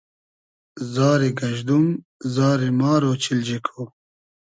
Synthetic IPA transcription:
zaːɾiɡɐʑd̪um | zaːɾimaːɾot͡ɕʰild͡ʑikʰoː

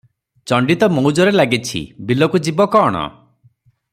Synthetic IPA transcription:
t͡ʃɔɳɖit̪ɔmɔwd͡ʒɔɾelaɡit͡ʃʰḭbilɔkud͡ʒibɔkɔːɽ̃ɔ̰

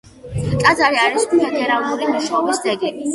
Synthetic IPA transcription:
kʼad̪zaɾiaɾispʰɛd̪ɛɾalˠuɾimuʃɔːbisd̪ɛɡɛbi

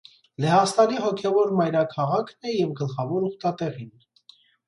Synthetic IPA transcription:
lɛɦɑst̪ɑliɦɔkʰɛvɔɾmɑjɾɑkʰɑʁɑkʰnɛjɛvɡəlχɑvɔɾɔχt̪ɑt̪ɛʁin

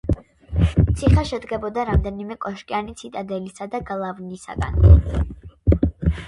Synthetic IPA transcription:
t̪sʰiχɛʃɛd̪ɡɛbɔd̪aɾamd̪ɛnimɛkʼɔʃkʼianit̪sʰit̪ʼad̪ɛlisad̪aɡlˠavnisa̰ɡa̰n

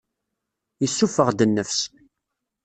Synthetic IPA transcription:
jəsːufəʁd̪ənːəfs

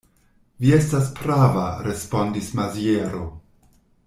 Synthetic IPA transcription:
vie̞staspɾavaɾe̞spo̞ndismazieɾo̞

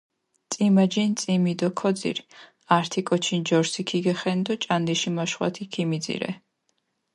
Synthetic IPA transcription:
t̪sʼimad͡ʒint̪sʼimid̪ɔkʰɔd̪zḭɾ | aɾt̪ʰikʼɔt͡ʃʰind͡ʒɔɾsikʰiɡɛχɛnd̪ɔt͡ʃʼand̪iʃimaʃχwa̰t̪ʰikʰimid̪zḭɾɛ̰

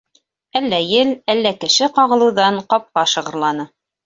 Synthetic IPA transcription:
ælːæjɘlælːækɘ̆ʃɘqɑʁɤ̆lˠɤ̆wðɑɴqɑp̚qɑʃɤ̆ʁɤ̆ɾlˠɑnɤ

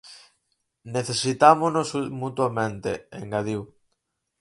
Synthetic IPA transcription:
neθesit̪amonosmut̪uamẽnt̪ḛeŋɡaðiw

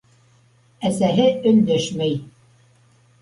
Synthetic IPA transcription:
æsæɦɘɵ̆nd̪ɵʃmæj

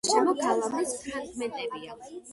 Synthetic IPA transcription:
ʃɛmɔkʰalˠamispʰɾakʰmɛt̪ʼɛvia

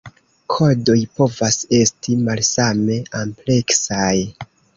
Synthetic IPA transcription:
kʰo̞do̞jpo̞vase̞stimalsame̞ample̞ksaj

